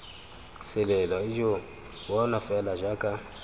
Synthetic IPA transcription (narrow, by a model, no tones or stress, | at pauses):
sɛlɛlwaiʒɔ | wɔnafɛlaʒakʼa